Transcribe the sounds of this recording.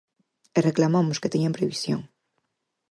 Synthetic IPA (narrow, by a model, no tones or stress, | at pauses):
ereklamamʊsket̪eɲampɾeβisjo̰ŋ